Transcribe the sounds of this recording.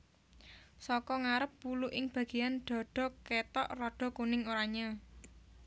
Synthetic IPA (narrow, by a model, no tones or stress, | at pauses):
sɔkɔŋaɾəp̚ːuluʔɪŋb̥ä̤ɡ̥ejanɖ̥ɔ̤ɖ̥ɔ̤ket̪ɔʔrɔɖ̥ɔ̤kunɪŋoɾaɲa